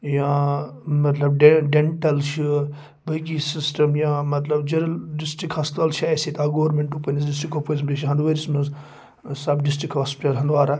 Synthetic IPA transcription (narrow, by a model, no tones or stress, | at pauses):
jãːmɐt̪lɐbɖeɖeɳʈɐlʃi | bɐɡisisʈɐmjãːmɐt̪lɐbd͡ʒɐɾlɖɪsʈikɦaːspt̪alʃʰajsit̪aɡoːɾmẽɳʈupənisdɪsʈikoposmiʃiɦɐ̃nd̪ʋɐɾismɐ | sɐbɖɪs̬ʈɾikɦaːspiʈɐlɦɐnd̪ʋaːɾa